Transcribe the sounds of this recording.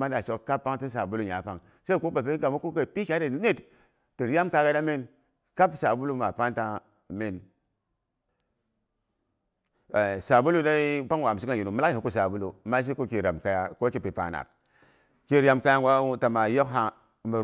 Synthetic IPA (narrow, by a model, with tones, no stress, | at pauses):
ma˦da˨t͡ʃo˨kka˦pːa˦ŋti˦s̬a˨bu˦lu˦˨ɲa̰˨˦pa˦ŋ | sa˦i˦ku˦ba˨pe˦ɡa˨ma˦ku˦ke˨pi˦kʲa˦de˨˦ne˦˨t | ti˨ɾja˦mka˨ɡa˦da˦mi˦n | ka˦bsa˨bu˦lu˦ma˨pa˦nta˦ | mi˨n˨ | sa˨bu˦lu˦da˦pa˦ŋwa˨si˦ka˨ji˨nu˨ma˦la˦˨i˨˦ku˨sa˨bu˦lu˨ma˦i˦ku˦ki˨ɾa˨mka˦ja˦ko˦ki˦˨pi˨pa̰˨na̰˨k | ki˦ɾa˦mka˦ja˦ŋɡwa˦u˦ta˨ma˨jo˦kɦa˨ | ma˨